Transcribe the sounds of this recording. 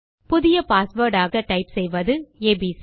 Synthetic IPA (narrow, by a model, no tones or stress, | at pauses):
pʊðɪjɐpaːsʋoːɾɖaːɣɐʈɐɪpsɛjʋɐðɯeːbiːs